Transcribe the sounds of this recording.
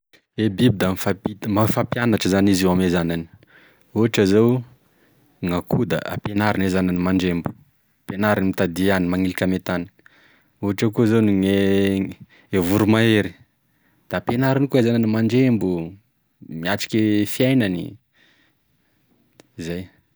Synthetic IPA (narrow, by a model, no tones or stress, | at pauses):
ebibid̪amifapimafapjanaʈ͡ʂəzaniziwamezanani̥ | uɦaʈ͡ʂəzew | ŋakud̪a̰ʔa̰penaɾanezananimaɳɖ͡ʐembu̥ | penaɾinimit̪ad̪ianimaŋilikʲamet̪ani̥ | uɦaʈ͡ʂakuzoniŋe | evuɾumaeɾi̥ | d̪̥aːpenaɾanikuezananimaɳɖ͡ʐembu | miaʈ͡ʂi̥kʲefiajnanḭ | izaj